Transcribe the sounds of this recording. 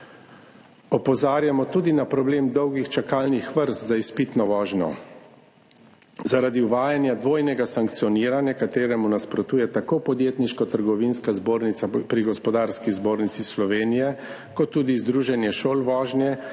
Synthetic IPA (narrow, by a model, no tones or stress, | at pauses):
ɔpɔzaːɾjamɔt̪ud̪inapɾɔbleːmd̪ɔwɡixt͡ʃakaːlnixʋəɾst̪zaispit̪nɔʋɔːʒnɔ̰ | zaɾad̪iwʋaːjanjad̪ʋoːjnɛɡasaŋk̚t̪sijɔniːɾanjakat̪eːɾɛmunaspɾɔt̪uːjɛt̪akoːpɔd̪jeːt̪niʃkɔt̪əɾɡɔʋinskazboːɾnit̪sapɾiɡɔspɔd̪aːɾskizboːɾnit̪sislɔʋeːnijɛ | kɔt̪ːuːd̪izd̪ɾuːʒɛnjɛʃoːlʋɔːʒnjɛ